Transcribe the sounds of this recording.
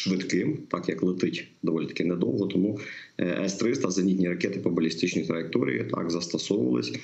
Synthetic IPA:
ʃʋɪd̪kɪmt̪ɑkjɐklˠɪt̪ɪtʲd̪ɔʋɔlʲit̪ɐ̥kɪnɛd̪ɔ̰lˠɦɔt̪ɔmu | ʔɛ̰st̪ɾɪst̪ɐzɐnʲit̪ʲnʲiɾɐkʲɛt̪ɪpɐbʊlʲist̪ɪt͡ʃnɔjit̪ɾɐjɪk̚t̪ɔɾʲḭjḭt̪ʰɑ̰ɡzɐst̪ɐsɔʋʊʋɐ̰lˠɪ̰sʲ

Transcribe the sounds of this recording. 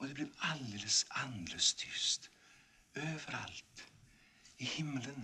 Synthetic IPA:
ɔd̪ɛblɛɾald̪eːləsand̪ɾəst̪ʰʏst̪ | øːvəɾa̰lt̪ | ɪhɪmːələn

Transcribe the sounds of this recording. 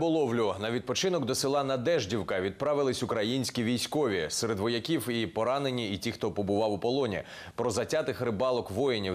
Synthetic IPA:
bɔlˠɔwlʲʊnɐʋʲid̪̚pɔt͡ʃɪnɔkd̪ɔsʲɪlˠɑnɐd̪ɛʒdʲiwkɐʋʲid̪̚pɾɑʋɪlˠɪsʲʊkɾɐjinʲsʲkʲiʋʲijsʲkɔʋʲisɛɾed̪ʋɔjɐkʲiwipɔɾɑne̞nʲiːtʲixt̪ɔpɔbʊʋɑwʊpɔlˠɔnʲḭ | pɾɔzɐtʲat̪ɪxrɾɪbɑlˠɔkʋɔjenʲi

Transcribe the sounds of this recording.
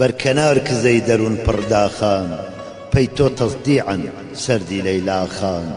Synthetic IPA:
bɐɾkʰɐnaːɾkʰɨzɐjd̪ɐɾunpʰɨrd̪aːxaːn | pɐjt̪oːt̪ʰɐsˤd̪iːʕan | sɐɾd̪iːlɐjlaːxaːn

